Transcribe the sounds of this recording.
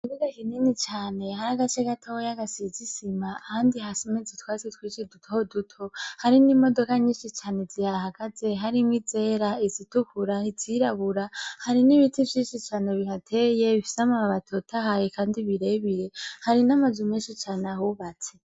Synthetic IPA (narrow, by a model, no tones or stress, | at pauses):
iziɡakiniːnit͡ʃaːne̞ɦaɾaɡat͡ʃeɡatʰoojaɡasizisimaːhaːndiɦasimezitwaːt͡setwit͡ʃidutʰohodutʰo̞haɾinimo̞do̞kaɲiːʃit͡ʃaːnezihaɾahaɡ̥aze̞ɦaɾimwid͡ze̞ːɾaizitukʰuɾaiziɾaβuɾahaɾiniβitivjiːʃit͡ʃaːne̞βiɦatʰeje̞βifi̥samaaβatʰotʰaɦajekaːndiβiɾe̞βiɾe̞haɾinamazumeːnʃit͡ʃaːnahuβat͡se